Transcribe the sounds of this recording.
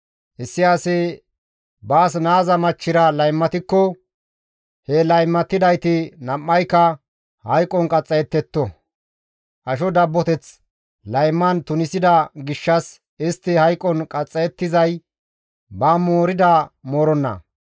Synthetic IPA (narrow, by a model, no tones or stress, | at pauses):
ʔɪsːɪaːsɛ | baːs̬naːzɐmɐt͡ʃːɪɾɐlɐjmːɐt̪ɪkːɔ | hɛlɐjmːɐt̪ːɪd̪ɐjt̪ɪnɐmːɐjkːɐ | hɐjkʼɔnkʼɐt͡sʼːɐjɛt̪ːɛt̪ːɔ | ʔɐʃɔd̪ɐbːɔt̪ɛt͡s | lɐjmːɐnt̪ʊnɪsɪd̪ɐɡɪʃːɐs | ɪst̪ːɪhɐjkʼːɔnkʼɐt͡sʼːɐjɛt̪ːɪzɐj | baːmoːɾɪd̪ɐmoːɾɔnːɐ̰